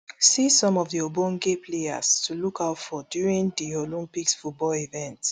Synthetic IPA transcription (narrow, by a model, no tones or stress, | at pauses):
sisɔ̃mɔvðiobõnɡepʰlea̰stʰulukaʊtfɔdjuɹĩŋdiolĩmpiksfut̚bɔlivɛ̃nts